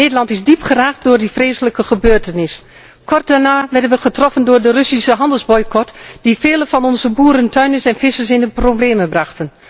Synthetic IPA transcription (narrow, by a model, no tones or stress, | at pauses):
neːdəlɑntɪzdipχəraːktdʊːɹdifreːsələkəχəbøːtənɪs | kɔrt̚danaːʋɛrdənʋəχətrɔfəndʊːɹdərøsisəɦɑndəlˠzbɔjkɔtd̥ifeːləfɑnɔnzəbuːɾəntœɥnəsɛnfɪsəsɪnəprobleːməbrɑxtən